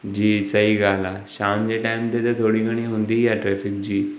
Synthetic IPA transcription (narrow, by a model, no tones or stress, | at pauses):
d͡ʑiːsəɦiːɡʱalaɕamd͡ʑeʈajmt̪et̪et̪ʰoɽiːɡəɽ̃iɦõnd̪iːjaʈɾɛfik̚d͡ʑiː